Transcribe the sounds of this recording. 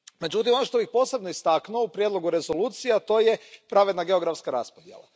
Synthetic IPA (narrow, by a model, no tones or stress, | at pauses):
me̞d͡ʒut̪imo̞noʃt̪o̞bixpo̞ːse̞bnoist̪aknuoupɾjed̪lˠo̞ɡuɾe̞zo̞luːt̪sijat̪o̞ːjepɾaʋe̞d̪naɡe̞oɡɾafskaɾa̰spod̪jḛlˠa̰